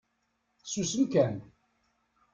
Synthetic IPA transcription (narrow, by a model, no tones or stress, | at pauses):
susəmkæn